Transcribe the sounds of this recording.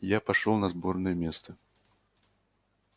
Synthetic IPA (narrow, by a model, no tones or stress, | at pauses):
japaʂɔlˠnɐzbɔrnəjɛmʲɛst̪ɐ